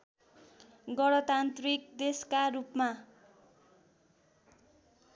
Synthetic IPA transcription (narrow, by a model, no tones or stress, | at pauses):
ɡʌɽʌt̪ant̪rikd̪eskaɾupma